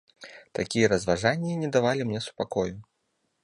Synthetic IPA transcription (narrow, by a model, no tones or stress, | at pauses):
t̪akʲijɐɾɐzvaʐanʲːiinʲɛd̪avalʲimnʲɛsu̥pakɔju